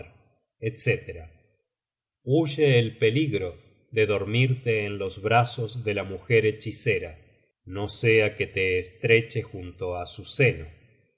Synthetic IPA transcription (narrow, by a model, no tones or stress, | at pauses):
ɾ | et̪set̪eɾa | uʒeːlpe̞liɣɾo̞ | ðe̞ðo̞ɾmiɾt̪e̞ːnlo̞zβɾaso̞zðe̞lamuxeɾe̞t͡ʃise̞ɾa | no̞seake̞t̪e̞ːst̪ɾe̞t͡ʃe̞xunt̪o̞asuseno